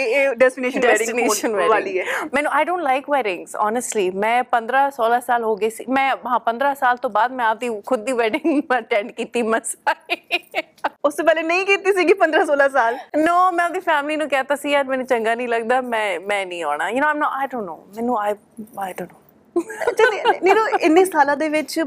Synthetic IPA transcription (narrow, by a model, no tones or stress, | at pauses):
eːɖɛsʈɪneːʃənɖɛɛːɖɪ̃ɪneːoːʃənʋaːʋaːliɛːmɛ̃ːnũːaːɪɖõːɳʈlaɪkʋɛːɖɪ̃ŋzɔ̰ːnəsʈliːmɛ̃ːpə̃nd̪ɾaːsoːlaːsaːlɦoːɡəiːsiːmɛ̃ːɦãːpə̃nd̪ɾaːsaːlt̪õːbaːd̪̚mɛ̃ːaːp̚d̪iːkʰʊd̪̚ːiːʋɛːɖɪŋəʈɛ̃ːɳɖkiːt̪iːməsae | ʊsepɛːlenəĩːkiːt̪iːsiːɡipə̃nd̪ɾãːsoːlaːsaːlnoːmɛ̃ːaːp̚d̪iːfʰɛːmliːnũːkɛːt̪aːsiːjaːɾmɛːnũːt͡ʃə̃ŋɡaːnĩːləɡ̚d̪aːmɛ̃ːmɛ̃ːnəĩːaːɽ̃aːjʊnoːãɪmnɔːʔaːɪɖõːnːo̰ːmɛ̃ːnũːaɪ | aɪɖõːnːoː | t͡ʃʰaniːnoːɪnːiːst̪ʰaːlãːd̪eːʋɪt͡ʃ